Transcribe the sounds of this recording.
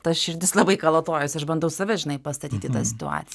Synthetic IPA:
t̪ɐsʃʲɪɾʲd̪ʲɪslˠɐbɐɪkɐlˠoːt̪oːjʊsɐʃbɐnd̪ɐʊsɐʋʲɛʒʲɪnɐɪpɐst̪ɐt̪ʲiːt̪ʲɪt̪ɑsʲɪ̥t̪ʊɑ̰ːt̪sʲɪ

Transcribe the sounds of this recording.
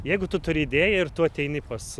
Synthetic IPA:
jɛɪɡʊt̪ʊt̪ʊɾʲɪːd̪ʲeːjɛɪrt̪uɐt̪ʲɛɪnʲɪpɐs

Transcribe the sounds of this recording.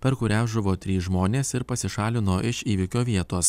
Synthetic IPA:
pʲɛɾkʊɾʲæːʒɐʋoːt̪ʲɾʲiːsʒmoːnʲeːsɪɾpɐsʲɪʃɑːlʲɪnoːʔɪʃiːʋʲɪkʲoːʋʲiɛt̪oːs

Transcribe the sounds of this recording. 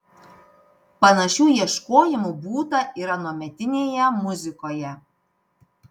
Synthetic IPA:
pɐnɐʃʲuːjiɛʃkoːjɪmubuːt̪ɐʔiɪɾɐnoɔmʲɛt̪ʲɪnʲeːjɛmʊzʲɪkoːjɛ

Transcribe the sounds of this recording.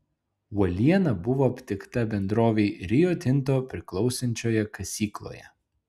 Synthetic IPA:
ɔlʲiɛnɐbʊʋoːɐpʲt̪ʲɪkt̪ɐbʲɛnd̪ɾoːʋʲɛɪɾʲɪjoːt̪ʲɪnˑt̪̬oːpʲɾʲɪklˠɒʊsʲɐnʲt͡ʃʲoːjɛkɐsʲiːklˠo̰ːjɛ̰

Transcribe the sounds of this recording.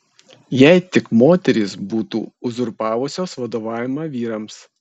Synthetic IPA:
jɛɪt̪ʲɪkmoːt̪ʲɛɾʲiˑsbuːt̪ṵːʊzʊɾpɑːʋʊsʲoːsʋɐd̪oːʋɑːʋʲɪmɑʋʲiːɾɐms

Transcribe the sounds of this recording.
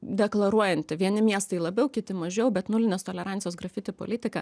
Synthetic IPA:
d̪ʲɛklˠɐɾuɔjɛnʲt̪ʲɪʋʲiɛnʲɪmʲiɛst̪ɐɪlˠɐbʲɛʊkʲɪt̪ʲɪmɐʒʲɛʊbʲɛt̪nʊlʲɪnʲeːst̪oːlʲɛɾɑnʲsʲɪjoːsɡɾɐfʲɪt̪ʲɪpo̰lʲɪt̪ʲɪkɐ

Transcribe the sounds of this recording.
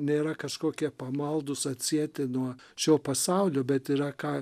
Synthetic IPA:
nʲeːɾɐkɐʃkoːkʲiɛpɐmɐlˠd̪ʊsɐt̪ʲsʲiɛt̪ʲɪnuɔ | ʃʲoːpɐsɑʊlʲoːbʲɛt̪iɾɐkɑː

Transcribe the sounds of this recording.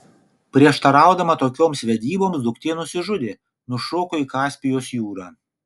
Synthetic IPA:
pʲɾʲiɛʃt̪ɐɾɑˑʊd̪ɐmɐt̪oːkʲoːmsʋʲɛd̪ʲiːboːmsd̪ʊkt̪ʲeːnʊsʲɪʒʊd̪ʲeː | nʊʃoːkoiːkɑːsʲpʲɪjoːsjuːɾɑː

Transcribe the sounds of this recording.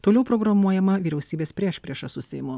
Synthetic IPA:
t̪oːlʲɛʊpɾoːɡɾɐmuɔjɛmɐʋʲiːɾʲɛʊsʲiːbʲeːspʲɾʲiɛʃpʲɾʲiɛʃɐsʊsʲɛ̰ɪmʊ

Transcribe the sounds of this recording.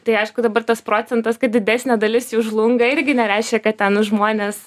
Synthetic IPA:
t̪ɐɪɐɪʃkʊd̪ɐbɐrt̪ɐspɾoːt͡sʲɛnt̪ɐskɐt̪̚d̪ʲɪd̪ʲæːsʲnʲɛd̪ɐlʲɪsjuʒlˠʊŋɡɐɪrʲɡʲɪnʲɛɾʲæɪʃʲkʲɛkɐt̪̚t̪ʲɛnʒmoːnʲeːs

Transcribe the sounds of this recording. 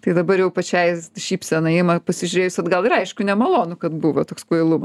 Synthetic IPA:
t̪ɐɪd̪ɐbɐɾjɛʊpɐt͡ʃʲɛɪʃʲiːpʲsʲɛnɐɪmɐpɐsʲɪʒʲʊɾʲeːjʊsʲɐd̪ɡɐlˠɪɾɐɪʃkʊnʲɛmɐlˠoːnʊkɐt̪buʋɐt̪oːkskoɪlˠumɐs

